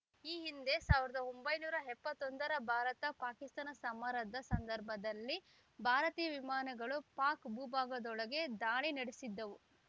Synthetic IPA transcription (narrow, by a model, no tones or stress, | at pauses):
iːɦind̪e̞saːʋiɾɐd̪ɐombɐjnuːɾɐɦɛpːɐt̪ːond̪ɐɾɐbʱaːɾɐt̪ɐpaːkist̪aːnɐsɐmaːɾɐd̪ɐsɐnd̪ɐɾbʱɐd̪ɐlːi | bʱaːɾɐt̪iːjɐʋimaːnɐɡɐɭupaːkbuːbʱaːɡɐd̪ɔɭɐɡe̞d̪aːɭinɐɽesid̪ːɐʋu